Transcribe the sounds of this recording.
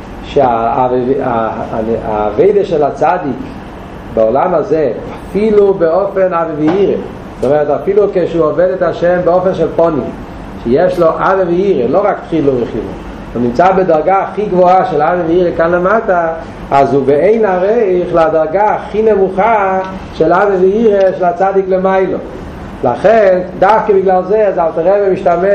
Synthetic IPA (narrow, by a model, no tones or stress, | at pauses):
ʃeaava̰ | a̰ːveɪdaʃɛlat͡sadik | baolamazɛafilubeofenaveviiʁḛ | zot̪omɛʁɛtafilukeʃuovɛdɛtaʃɛmbeofenʃɛlpɔnḭm | ʃejɛʃloʔaveveiʁeloʁaktχiluvəχinṵ | unimt͡sabedaʁɡaaχiɡvoaʃɛlaveveiʁekanlemata | azubeeɪnaʁejχladaʁɡaːχinɛmuχa | ʃɛlavevɛiʁeʃelat͡sadiklemaɪlo̰ | la̰χɛndafkəbɪɡlalzeazalt̪aʁɛbemiʃtamɛ